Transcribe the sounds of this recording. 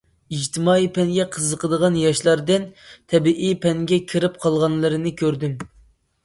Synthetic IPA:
ɨd͡ʒt̪ʰɪmɑːipʰɛŋɡʲɛqʰəzəqʰəd̪əʁɑnjɑʃlˠɑɾd̪ɨnt̪ʰɛbiʔipʰɛŋɡʲɛkʲʰiɾɪp̚qʰɑlˠʁɑnlˠɨɾɨnɨkʲʰøɾd̪ym

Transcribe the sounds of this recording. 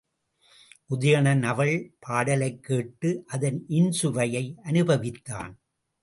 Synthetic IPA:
ʔʊðɐjɐɳɐnɐʋɐɭpʰaːɽɐlɐɪkːeːʈːɯʔɐðɐnʔɪnsʊʋɐjɐɪʔɐnɯbɐʋɪt̪ːa̰ːn

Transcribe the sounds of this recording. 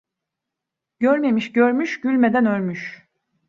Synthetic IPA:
ɟ̥øɾmemiʃɟøɾmyʃɟ̥ylʲme̞d̪ænølʲmyʃ

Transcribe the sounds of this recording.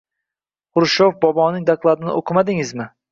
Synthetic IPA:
ʊɾʃofbɒbɒnɪŋd̪aklˠad̪ɪnɪ̰ʔoqʰɨmad̪ɪŋɪzmɪ

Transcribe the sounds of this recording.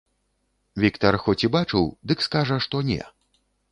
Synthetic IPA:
vʲikt̪ɐrxɔt͡sʲibat͡ʂɨwd̪ɨkskaʐɐʂt̪ɔnʲɛ̰

